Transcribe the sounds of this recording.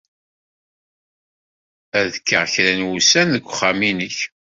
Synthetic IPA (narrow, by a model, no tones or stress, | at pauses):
æðkːəʁçɾænwusænðəɡʷːχːaminəç